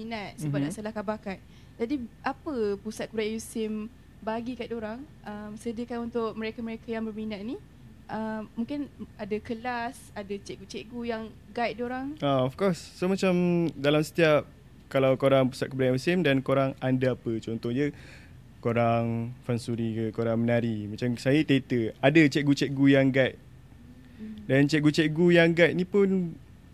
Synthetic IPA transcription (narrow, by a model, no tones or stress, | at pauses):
minat̪̚sibadasalahkabakan̚ | d͡ʒadiʔapəpusat̪̚kəbɾajusɪm | baɡikait̪oɾaŋʔəmsədikanunt̪ʊʔ̚məɾekəməɾekajaŋbərminat̪̚ni | ʔəmːũŋkɪnadakəlas | adat͡ʃeʔɡut͡ʃeʔɡujaŋ | ɡait̪̚doɾaŋaɔfkɔsːomat͡ʃamdalamsə̥t̪iap̚ | kalawkoɾaŋpəsaʔ̪̚kəbdaməsɪmdankoɾaŋandaapət͡ʃɔnt̪ɔhɲə | koɾaŋfansuɾikəkoɾaŋmənaɾimat͡ʃamsajət̪et̪əadət͡ʃɛʔ̚ɡut͡ʃɛʔ̚ɡujaŋɡajt̪̚ | dant͡ʃɛʔ̚ɡut͡ʃɛʔ̚ɡujaŋɡat̪̚nipʊn